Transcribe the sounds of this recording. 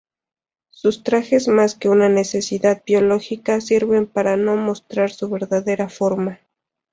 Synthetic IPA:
sust̪ɾaxe̞zmaske̞unane̞se̞siðað̚bjo̞lo̞xikasiɾβe̞mpaɾano̞mo̞st̪ɾaɾsuβe̞ɾðaðe̞ɾafo̞ɾma

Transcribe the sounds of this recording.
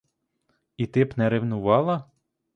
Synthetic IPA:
it̪ɪpnɛɾɪwnʊʋɑlˠɐ

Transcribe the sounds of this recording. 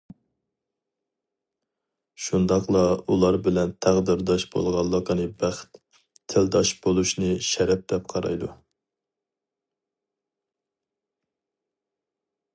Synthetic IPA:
ʃund̪ɑqlˠɑulˠɑɾbɪlɛnt̪ʰæʁd̪ɪɾd̪ɑʃbo̰lˠʁɑlˠːəqənɨbæχt̪ʰː | ɪld̪ɑʃb̥olˠuʃnɨʃɛɾɛp̚d̪ɛp̚qʰɑɾɑ̰jd̪u

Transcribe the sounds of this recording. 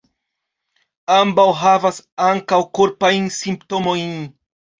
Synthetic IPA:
ambawɦavasaŋkawkuɾpajnsimptomo̞jn

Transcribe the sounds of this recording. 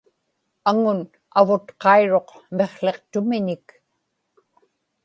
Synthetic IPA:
aŋʊn | avʊt̪qɑiɻo̞qme̞χɬe̞qt̪ʊmɪɲɪk

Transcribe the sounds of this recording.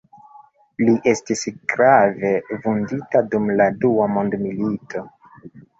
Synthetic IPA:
liʔe̞stisɡ̥ɾave̞vunditadumladuamo̞ndmilito̞

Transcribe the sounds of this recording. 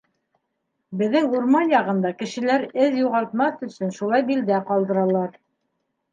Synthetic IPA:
bɘ̆ðːɘŋuɾmɑnjɑʁɤ̆nd̪ɑkɘ̆ʃɘ̆læɾɘðjuʁɑlˠt̪mɑθɵ̆sɵnʃulˠɑjbild̪æqɑlˠd̪ɤ̆ɾɑlˠɑɾ

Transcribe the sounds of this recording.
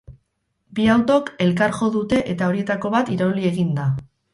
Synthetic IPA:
biawt̪o̞ke̞lkaɾʝo̞ðut̪e̞ʔe̞t̪ao̞ɾie̞t̪ako̞βat̪iɾaulie̞ɣind̪a

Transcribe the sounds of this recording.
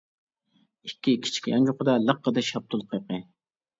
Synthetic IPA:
ikʲːikʲʰi̥t͡ʃʰi̥kʲjɑnd͡ʒoqəd̪ɑlˠəqːəd̪ɛʃɑp̚t̪ʰʊlˠqʰɑjqə

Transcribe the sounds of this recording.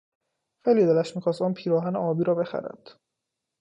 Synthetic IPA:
fejliːd̪elæʃmiːxɒːst̪ɔːnpʰiːɾɒːɦæneɒːbiːɾɒːbe̞xæ̰ɾæ̰nd̪̥

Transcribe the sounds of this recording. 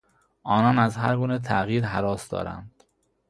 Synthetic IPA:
ʔɒːnɒːnæzɦæɾɡuːnet̪ʰæʔɣiːɾɦæɾɒːsd̪ɒ̰ːɾæ̰nd̪̥

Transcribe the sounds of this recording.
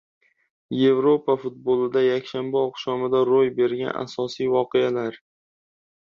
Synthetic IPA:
je̞vɾopʰafʊt̪̚bolˠɪd̪ajakʲʃambaɒqʃɒmɪd̪aɾojbe̞ɾɡʲa̰na̰sɒsijvɒqʰealaɾ

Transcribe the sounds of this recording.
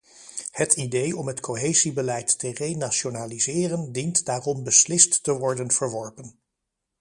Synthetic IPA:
hətʰidejɔmɦətkʰoɦejzibəlɛjtːərejnaʃonaːlizɪːrəndintdaːrɔmbəslɪstːəʋɔɹdənv̥əɹʋɔɹpən

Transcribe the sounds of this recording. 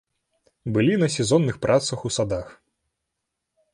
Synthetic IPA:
bɨlʲinɐsʲɛzɔnːɨxpɾʔat̪sɐxusad̪ax

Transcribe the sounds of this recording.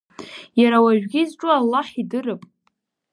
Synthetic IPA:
jaɾawaʒᶣɡʲizʈ͡ʂʼʊalːaħidɨrɨpʼ

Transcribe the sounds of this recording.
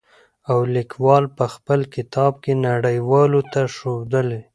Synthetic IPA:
awlɪkwɑlpəxpəlkɪt̪ɑb̚kenaɽəjwɑlot̪aʃod̪əle

